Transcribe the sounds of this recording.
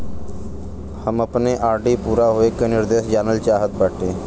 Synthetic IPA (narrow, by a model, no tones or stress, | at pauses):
həməpneʔaːɾɖiːpuːɾaɦoːeːkenɪɾd̪eːʃd͡ʒaːnəlt͡ʃaːɦət̪̚baːʈʰeː